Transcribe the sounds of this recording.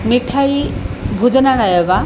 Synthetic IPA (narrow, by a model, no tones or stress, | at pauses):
miʈʰajbʱud͡ʒɔnaɾajɔba